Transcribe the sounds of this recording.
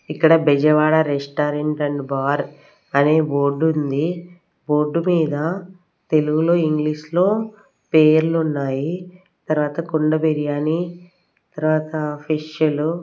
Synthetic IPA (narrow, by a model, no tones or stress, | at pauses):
ikːɐɽɐbɛd͡ʒɐʋaːɽɐɾesʈaːɾeɳʈɐɳɖbaːɾ | ɐneːbo̞ːɾɖund̪i | bo̞ːɾɖːumiːd̪ɐ | t̪e̞luɡuloːiŋɡliːʂlo̞ː | peːɾlunːaːji | t̪ɐɾuʋaːt̪ɐkoɳɖɐbeɾijaːni | t̪ɐɾuʋaːt̪ɐpʰiʂjɐlu